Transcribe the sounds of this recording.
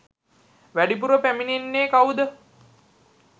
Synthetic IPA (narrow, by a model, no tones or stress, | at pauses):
ʋæɖip̬uɾəpæminenːeːkawd̪ə